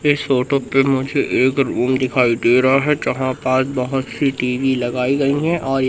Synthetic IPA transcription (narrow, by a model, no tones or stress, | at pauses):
ɪsoːʈopemʊd͡ʒʱeʔeːkɾuːmd̪ɪkʰaːiʈeːɾaɦɛd͡ʒɐɦãpaːsbɐɦʊt̪siʈiːʋilɐɡaːiɡɐiɦɛʔɔːɾ